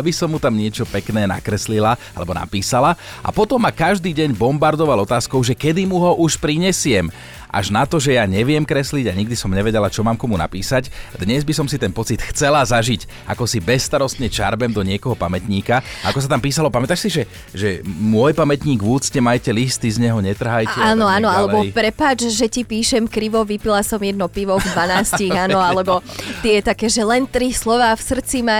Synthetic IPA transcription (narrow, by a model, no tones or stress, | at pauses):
abisɔmːut̪amɲɪɛt͡ʃɔpɛknɛːna̰kɾɛslilaalɛbɔna̰piːsala | a̰pɔt̪ɔmːakaʒd̪iːɟɛɲbɔmbaɾd̪ɔʋalɔt̪aːskɔʊʒɛkɛd̪imuɦɔʔuʃpɾiɲɛsɪɛm | ʔa̰ʒnat̪ɔʒɛjaɲɛʋɪɛmkɾɛsliɟaɲiɡd̪isɔmɲɛʋɛɟɛlat͡ʃɔmaːmkɔmuna̰piːsacd̪ɲɛzbisɔmsit̪ɛnpɔt͡sit̪xt͡sɛlazaʒic | ʔa̰kɔsibɛsːt̪aɾɔst̪ɲɛt͡ʃa̰ɾbɛmd̪ɔɲɪɛkɔɦɔpamɛt̪ɲiːkaakɔs̬at̪ampiːsalɔpamɛt̪aːʃsiʒɛ | ʒɛmʊɔjpamɛt̪ɲiːɡʋuːt͡stɛmajcɛlist̪izɲɛɦɔɲɛt̪r̩ɦajcɛaːnɔanɔalɛbɔipɾɛpaːd͡ʒʒɛcipiːʃɛmkɾiʋɔʋipilasɔmjɛd̪nɔpiʋɔvd̪ʋanaːsciɣanɔalɛbɔt̪ɪɛt̪akɛːʒɛlɛnt̪ɾislɔʋaːfsr̩t͡sima